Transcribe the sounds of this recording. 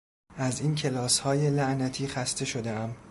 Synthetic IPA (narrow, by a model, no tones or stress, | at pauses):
ʔæziːncʰe̞lɒːshɒːje̞læʔnæt̪ʰiːxæst̪e̞ʃo̞d̪e̞æm